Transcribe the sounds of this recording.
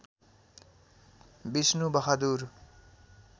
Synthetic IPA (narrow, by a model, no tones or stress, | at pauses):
bisnubʌɦad̪uɾ